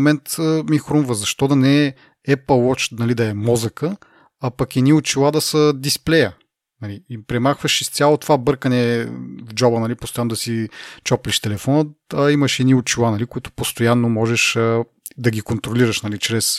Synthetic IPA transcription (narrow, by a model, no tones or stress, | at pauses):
mɛnt̪əmixɾumvəzɐʃt̪ɔd̪ɐnɛ | ɛpəlˠwɔt͡ʃnɐlid̪ɐɛmɔzəkə | ɐpɐkɛd̪niʊt͡ʃilˠad̪ɐsəd̪isplɛjə | nɐliipɾɛmaxvəʃist̪sʲjalˠot̪ovabɤɾkənɛvd͡ʒɔbənɐlipost̪ojanod̪ɐsit͡ʃɔpliʃt̪ɛlɛfɔnət̪ɐimɐʃɛd̪niʊt͡ʃilˠanɐlikoit̪ʊ̥post̪ojanːomɔʒɛʃə | d̪ɐɡʲikont̪ɾoliɾəʃnɐlit͡ʃɾɛs